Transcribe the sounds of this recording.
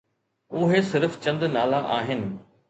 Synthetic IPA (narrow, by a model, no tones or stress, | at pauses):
ʊɦesɪɾft͡ɕɐ̃nd̪naːlaʔaːɦɪnɪ̆